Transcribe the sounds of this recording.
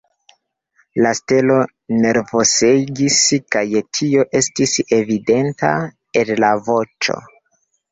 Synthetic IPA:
laste̞lo̞ | ne̞ɾvo̞seɡiskajtʰio̞ʔe̞stise̞vide̞nta̰ | e̞llavo̞t͡ʃo̰

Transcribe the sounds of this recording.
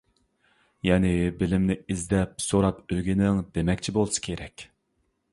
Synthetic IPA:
jɛnɪbɪlɪmnɪizd̪ɛp̚soɾɑpøɡʲinɪŋd̪emɛkʲt͡ʃʰibolˠsɨ̥kʲʰeɾɛkʲ

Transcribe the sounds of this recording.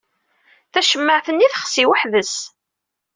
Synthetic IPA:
θæʃəmːəʕθənːiθəχsiwəħðəs

